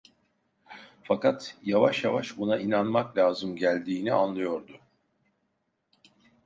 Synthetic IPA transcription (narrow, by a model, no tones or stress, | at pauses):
fakat̪javaʃjavaʃbunaʔinanmaklʲaːzɯmɟælʲd̪iːnianlˠɯjo̞ɾd̪ʊ